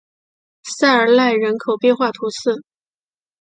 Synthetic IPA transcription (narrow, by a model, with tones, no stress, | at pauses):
sa˥˩ɪə˞˨˩la˥˩ɪɻə˧˥nkʰo˨˩ʊpjɛ˥˧nxwa˥˩t̪ʰu˧˥sɹ̩˥˩